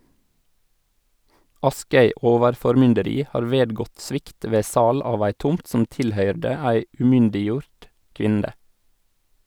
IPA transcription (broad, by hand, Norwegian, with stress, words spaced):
ˈɑskœʏ ˈoːʋəɾfɔɾˌmʏndəɾiː ˈhɑːɾ ˈʋeːdɡɔt ˈsʋɪkt ˈʋeː ˈsɑːl ˈɑːʋ ˈæɪ ˈtʊmt ˈsʊm ˈtɪlˌhœʏɖə ˈæɪ ʉːˈmʏndɪˌjuːɾt ˈkʋɪndə